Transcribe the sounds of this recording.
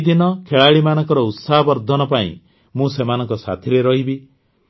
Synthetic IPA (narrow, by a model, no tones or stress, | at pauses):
d̪inɔkʰeɭaɭimanɔŋkɔɾɔut̪saɦɔbɔɾd̪ʱɔnɔpaḭ̃ | mũsemanɔŋkɔsa̰t̪ʰiɾeɾɔɦibi